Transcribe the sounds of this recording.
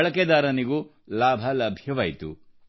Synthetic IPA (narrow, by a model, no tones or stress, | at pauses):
ɭɐked̪aːɾɐniɡu | laːbʱɐlɐbʱjɐʋɐːjt̪ṵ